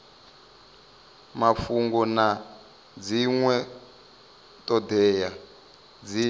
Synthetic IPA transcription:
mafuŋɡɔna | d͡ziŋwɛ | tʼɔdɛːja | d͡zi

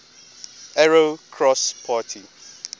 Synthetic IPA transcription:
ɛɹokʰɹɔspʰaːtʰi

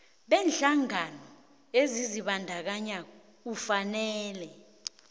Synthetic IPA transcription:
ɓɛːnɬaŋanɔ | eziziɓandʱak̬aɲa | k̬ufanɛːlɛ

